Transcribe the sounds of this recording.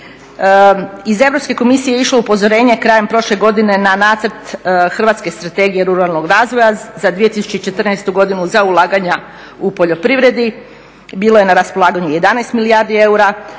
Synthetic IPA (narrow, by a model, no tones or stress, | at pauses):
ize̞ʋɾo̞pske̞ko̞misijejeiʃlˠoupo̞zoɾe̞ːɲe̞kɾaːjempɾo̞ʃle̞ɡo̞d̪ine̞nanaːt̪səɾt̪xr̩ʋaːt̪ske̞st̪ɾat̪e̞ɡijeɾuɾalˠnoɡɾaːzʋo̞jazad̪ʋije̞t̪isu̥t͡ɕeit͡ʃe̞t̪r̩nɛːst̪uɡo̞d̪inuzaulˠaːɡaɲa | upo̞ʎo̞pɾiʋɾe̞d̪i | biːlo̞je̞naɾaspo̞lˠaːɡaɲuje̞d̪anajst̪miliaɾd̪ie̞uɾa